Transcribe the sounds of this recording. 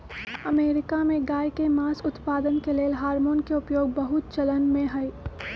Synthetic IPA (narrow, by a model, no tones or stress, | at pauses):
ɐmeːɾɪkamẽɡaːjkemaːsʊt̪paːd̪ənkeleːlɦaːɾmoːnkeʊpjoːɡ̚bɐɦʊt̪̚t͡ʃɐlənmẽɦɐj